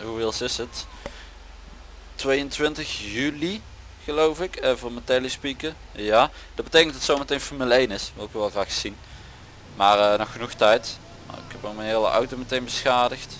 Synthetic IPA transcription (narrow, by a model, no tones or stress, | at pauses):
ɦuʋɪːlˠsɪsət | tʋejəntʋɪntəxjyli | ɣəlowfɪkəvoːɹmətɛlispikə | jaː | d̥ɑd̚bətejkəndɑtsowmətejnfoːrməlejnɪsʋɪlˠɪkʋɛlˠɣraːxsin | maːrənɔxːənuxtɛjt | ɪ̰khɛpəmənɦɪːlə̰ʔa̰wtomətejnbəsxaːdəxt